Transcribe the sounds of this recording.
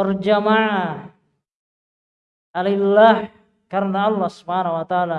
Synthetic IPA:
ard͡ʒamaʕa | ʔallːah | karnaɑlːɑhsubhanahwat̪aaːla

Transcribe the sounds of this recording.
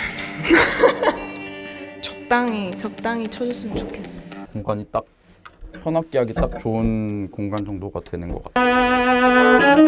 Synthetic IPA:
t͡ɕʌk̚t͈aŋit͡ɕʌk̚t͈aŋit͡ɕʰʌd͡ʑus͈ʰɯmɯnt͡ɕokʰe̞s͈ʌjokoŋɡaɲit͈ak̚ | pʰʌnap̚k͈eɦaɡet͈ak̚t͡ɕoɯnkoŋɡand͡ʑʌŋdoɡadwe̞nɯnɡʌk͈at

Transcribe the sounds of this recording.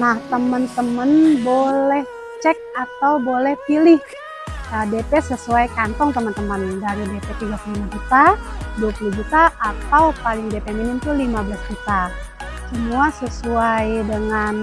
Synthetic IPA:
naht̪əmənt̪əmənbolɛh | t͡ʃɛk̚at̪awbolɛhpilɪh | ədepɛsəsuajkant̪ɔŋt̪əmənt̪əməndaɾidepɛt̪iɡapulimad͡ʒut̪aduapulud͡ʒut̪aʔːt̪awpalɪŋdepeminɪnt̪ʊlimablasd͡ʒut̪a | səmuasəsuajdəŋan

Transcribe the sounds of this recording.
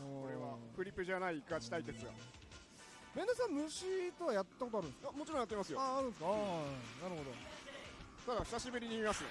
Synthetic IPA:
okoɾe̞βakɯ̟ɾʲipːɯ̟ʑanaiːkɯat͡ɕi̥t̪ait̪e̞t͡sɨɡa̰ | mẽ̞nd̪osãmmɯ̟ɕit̪o̞βajat̪ːako̞t̪oaɾɯ̟̃nsamo̞t͡ɕiɾõjat̪ːeimasɨjoaːɾɯ̃ɰ̃sɨ̥kanaɾɯ̟ho̞d̪o̞ | t̪ad̪açʲi̥saɕibɯ̟ɾʲiɲ̟iːmasɨjo

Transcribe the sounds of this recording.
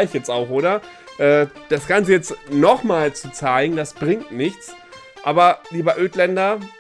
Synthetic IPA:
ɪçjɛt͡staʊxʔoːɾɐ | ʔɛː | d̥asɡ̥ant͡səjɛt͡stnɔχmaːlt͡sut͡saɪɡŋ̩d̥asb̥ʁɪŋtnɪçt͡s | ʔaːbɐliːbɐʔøːtlɛndɐ

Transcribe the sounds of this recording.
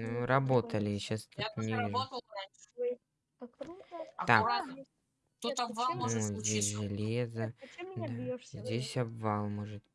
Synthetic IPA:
nuɾɐbo̞t̪əlʲɪɕast̪ut̪nʲɪ | t̪ak | t̪ut̪ɐbvanuzʲdʲes̬ʲʐɨlʲezəd̪azʲdʲesʲɐbvalˠmo̞ʐɨt̪

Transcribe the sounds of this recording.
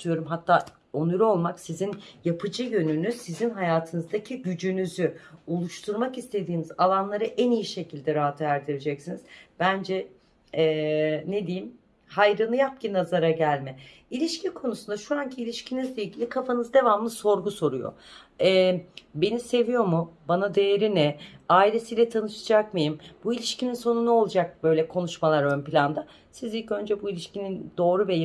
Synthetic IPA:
yjo̞ɾumɦat̪ʰːaː | onuɾuo̞lˠmaksizinjapʰɯd͡ʒɯjø̞nynysizinɦajaːt̪ʰɯnɯzd̪acʰiɟyd͡ʒynyzyolˠuʃt̪ʰuɾmakist̪ʰe̞d̪iːnizalˠanlˠaɾɯʔænijiʃe̞cʰilʲd̪ɛɾaɦat̪ʰɯæɾd̪ʰiɾid͡ʒɛcsiniz̥b̥ænd͡ʒɛ | ɛned̪ejim | hajɾɯnɯjap̚cinazaɾaɟælʲmɛilʲiʃcikʰo̞nusund̪aʃuaɲcʰiːlʲiʃcʰinizlʲejlʲɟʲilʲikʰafanɯzd̪e̞vamlˠɯso̞ɾɡuso̞ɾujo̰ | ɛbe̞nise̞vijo̞mubanad̪e̞jeɾinɛaːilʲe̞sijlʲɛt̪ʰanɯʃɯd͡ʒakmɯjimbuilʲiʃcʰininso̞nunuo̞lˠad͡ʒak̚bø̞jlʲɛkʰo̞nuʃmalˠaɾønpilʲand̪a | sizilʲcø̞nd͡ʒɛbuilʲiʃcinind̪o̞ːɾuvɛj

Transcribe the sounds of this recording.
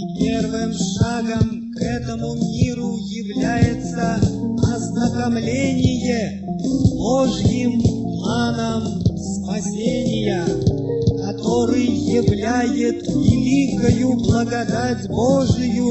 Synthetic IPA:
pʲe̞rvɨmʂaɡəmkɛt̪əmumʲiɾʊjɪvlʲæjɪt̪səɐznəkɐmlʲenʲɪjə | boʐjɪmː | anəm | spɐsʲenʲɪjə | kɐt̪oɾɨjjɪvlʲæjɪt̪vʲɪlʲikəjʊblˠəɡɐd̪atʲboʐɨjʊ

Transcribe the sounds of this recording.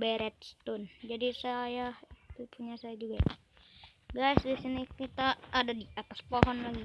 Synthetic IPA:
bɛɾɛt̪̚st̪ʊnd͡ʒadisajahit̪upʰuɲasajad͡ʒuɡa | ɡajsdisinikit̪aːdadiat̪aspoɦɔnlaɡi

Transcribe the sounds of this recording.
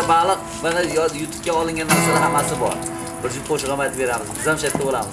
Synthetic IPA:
balˠɨq̚ | manajjʊt̪ʰʊ̥p̚kʲaɒlˠɪŋɡʲanːaɾsanaɦamːasɪbɒ̰ɾ | bɪɾzɪqʰoʃɪʁɑmat̪ʰɪbe̞ɾamɪzt̪ʰɪzamʃajt̪ʰːabolamɪz

